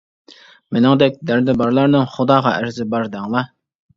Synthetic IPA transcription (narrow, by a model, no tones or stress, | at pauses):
mɪnɪŋd̪ɛk̚ʲd̪æɾd̪ɪbɑɾlˠɑɾnɨŋχʊd̪ɑːʁɑʔæɾzɪbɑɾd̪æŋlˠɑ